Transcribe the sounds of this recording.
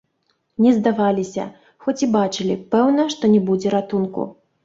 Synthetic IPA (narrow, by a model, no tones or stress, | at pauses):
nʲɛzd̪avalʲisʲɐ̰ | xɔt͡sʲibat͡ʂɨlʲḭpɛwnɐʂt̪ɔnʲɛbud͡zʲɛɾat̪unkṵ